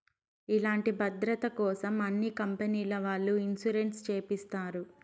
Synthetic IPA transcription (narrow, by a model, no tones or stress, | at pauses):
ilaːɳʈibɐd̪ɾɐt̪ɐkɔːsɐmɐnːikɐmpeniːlɐʋaːɭːuinsuɾeɳʈst͡ʃeːpist̪aːɾu